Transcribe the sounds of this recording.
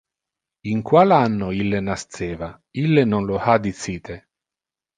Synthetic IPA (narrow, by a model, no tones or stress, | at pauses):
iŋkwalanːoilːenast̪ɛːva | ilːenonlohad̪it̪siːt̪ʰe